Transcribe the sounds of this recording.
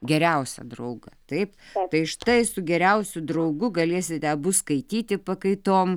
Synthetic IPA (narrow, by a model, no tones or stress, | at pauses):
ɡʲɛɾʲɛʊsʲɛ̰d̪ɾɐʊɡɐt̪ɐɪpt̪ɐɪʃt̪ɐɪsʊɡʲɛɾʲɛʊsʲʊd̪ɾɐʊɡʊɡɐlʲeɛsʲɪt̪ʲɛbʊskɐɪt̪ʲiːt̪ʲɪpɐkɐɪt̪oːm